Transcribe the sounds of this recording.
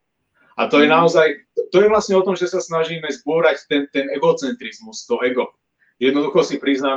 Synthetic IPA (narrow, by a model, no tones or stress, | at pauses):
at̪ɔjɛnaɔzajt̪t̪ɔjɛʋlasɲɛɔt̪ɔmʒɛsasnaʒiːmɛzbuːɾact̪ɛnt̪ɛnɛɡɔt͡sɛnt̪ɾizmust̪ɔɛɡɔ | jɛd̪nɔd̪uxɔsipɾiznaː